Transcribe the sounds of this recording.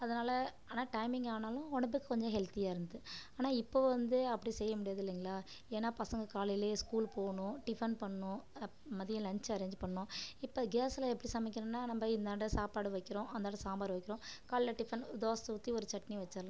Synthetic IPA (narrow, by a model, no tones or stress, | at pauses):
ɐðɐnaːlɐaːnaːʈɐɪmɪŋɡaːnaːlʊ̃ɔɳɐbɯkːɯ̥kɔɲd͡ʒɔ̃ɦɛlt̪ɪjaːɪɾɯnd̪ɐd̪ɯaːnaːɪpːoːʋɐnd̪ɯɐpːɐɽisɛjːɐmʊɽɪjaːðɪlːiːŋɡɐɭaː | eːnːaːpɐsɐŋɡɐkaːlɪleːskuːlpoːɳʊ̃ʈɪfɐnpɐɳːʊ̃ | mɐðɪjɐ̃lɐɲt͡ʃɐɾeːɲd͡ʒpɐɳːʊ̃ɪpːɐɡaːsɪlɐɛpːɐɽisɐmɪk̬ʲːɪɾɐ̃nːaːnɐmbɐɪnd̪aːɽɐsaːpaːɽɯʋɐɪkʲːɪɾõːʔɐnd̪aːɽɐsaːmbaːɽɯʋɐɪkːɪɾõːkaːlɪlɐʈɪfɐnʊd̪oːsɐt̪ʊt̪ːiɔɾɯt͡ʃɐʈːɐniʋɐt͡ʃːal̃